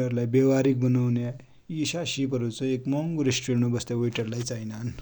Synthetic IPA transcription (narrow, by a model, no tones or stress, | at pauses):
əɾlajbeʋaɾik̚bənawna | iɕaɕipəɾut͡səekmɔŋɡuɾisʈɾeɳobəst̪aʋojʈəɾlajt͡sajnan